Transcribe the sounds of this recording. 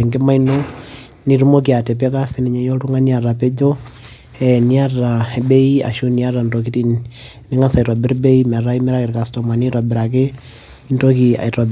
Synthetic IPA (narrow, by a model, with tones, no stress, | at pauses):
ŋɡe˦ma˦i˦no˦ | ni˦ɾu˦mo˦k̬i˨a˨tɛ˨p̬ɛ˦ka˦se˦ni˨ɲɛ˨jo˦tu˦ŋa˦ni˦a˨ɾa˨pe˦d͡ʒo˦ | ɛ˨ni˦a˦ra˨ebe˦i˦a̰˨ʃu˦ni˦a˦ra˨ndo˨k̬i˦ti˨n | ni˦ŋa˦sa˨ɾɔ˨bɪ˦ɾbe˦i˦m˨a˨ɾa˦i˦mɛ˦ɾa˦kɪ˨ɾka˨sto˨ma˨ni˦ɾa˨bɪ˨ɾa˨k̬e˦ | i˦ndo˦ki˨a̰˨i˨ɾɔ˨b